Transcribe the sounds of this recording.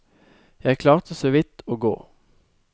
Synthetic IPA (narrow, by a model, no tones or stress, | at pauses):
jæɪkʰlɑːʁt̪ʰəsoʋɪt̪oːɡo̰ː